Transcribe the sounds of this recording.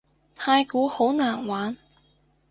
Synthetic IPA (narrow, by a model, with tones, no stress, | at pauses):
t̪ʰaː˧jkuː˨˥ho˨˥wnaː˨˩nwaː˨˥n